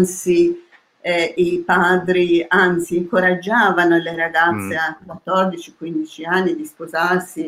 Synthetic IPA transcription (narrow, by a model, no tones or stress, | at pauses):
nt̪si | ipaːd̪ɾiant̪siːŋkoɾad͡ʒːaːvanoleɾaɡat̪sːeakwat̪ːɔrd̪it͡ʃikwind̪it͡ʃianːid̪ispozarsi